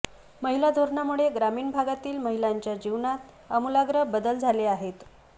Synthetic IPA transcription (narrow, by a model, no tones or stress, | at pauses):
məɦilad̪ʱoɾɳamuɭeɡɾamiːɳbʱaɡat̪iːlməɦilaɲt͡ɕjad͡ʑiʋɳat̪ | əmulaɡɾəɦbəd̪əld͡zʱaleaɦet̪